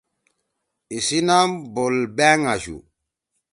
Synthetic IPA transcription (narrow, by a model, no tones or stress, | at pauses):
isinambolbɛŋaʒṵ